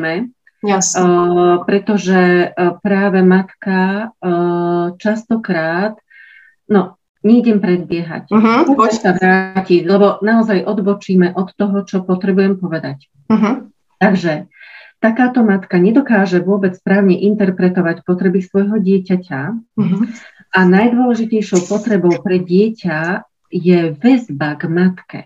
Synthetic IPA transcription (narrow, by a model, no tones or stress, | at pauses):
mɛ | a | pɾɛt̪ɔʒɛpɾaːʋɛmat̪ka | t͡ʃast̪ɔkɾaːt̪ | nɔ | ɲɛiɟɛmpɾɛd̪̚bɪɛɦa̰cpɔɛsaʋɾaːciɟlɛbɔnaɔzajʔɔd̪bɔt͡ʃiːmɛʔɔt̪ːɔɦɔt͡ʃɔpɔt̪ɾɛbujɛmpɔʋɛd̪ac | ɦ | t̪aɡʒɛt̪akaːt̪ɔmat̪kaɲɛd̪ɔkaːʒɛʋʊɔbɛt͡sspɾaːʊɲɛʔint̪ɛɾpɾɛt̪ɔʋacpɔt̪ɾɛbisʋɔjɦɔɟɪɛcaca | ʔanajd̪ʊɔlɛʒicɛjʃɔʊpɔt̪ɾɛbɔʊpɾɛɟɪɛca | jɛʋɛzbaɡmat̪kɛ̰